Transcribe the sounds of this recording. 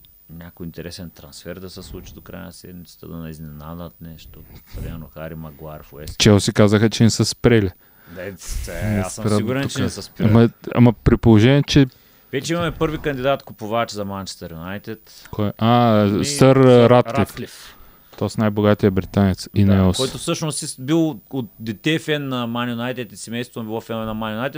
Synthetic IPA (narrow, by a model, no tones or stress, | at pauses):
nʲakoint̪ɛɾɛsɛnt̪ɾɐnsfɛɾd̪ɐsɛslˠut͡ʃi̥d̪okɾa̰jə̰nɐsɛ̰d̪mit̪sə̥t̪əd̪ɐnɐiznɛnad̪ət̪nɛʃt̪opɾimɛɾnoxaɾimɐɡlˠaɾfɛt͡ʃɛosikazəxət͡ʃɛnɛsəspɾɛlʲɛ | ɛ | pɾsɛiɡuɾɛnot͡ʃ̪ɛsəspmɐa̰mɐpɾipolˠoʒɛnʲiɛt͡ʃɛ | vɛt͡ʃɛimɐmɛpɤɾvikɐnd̪ʲid̪at̪kʊpʊvat͡ʃzɐmant͡ʃɛ̥st̪ɐɾjunajt̪ʲɛt̪ | kʰɔɛʔasəɾɾat̪klʲiflif | t̪ɔsnajboɡat̪iɐbɾit̪anɛt̪sinaɛsɔjt̪ʊfsɤʃnosisbilˠot̪̚d̪ɛt̪ɛfɛnːɐmanjʊnajt̪ɛt̪i̥sɛmɛjst̪vonbilˠɔfɛnvɛnɐmanʲjʊnajt̪ɛ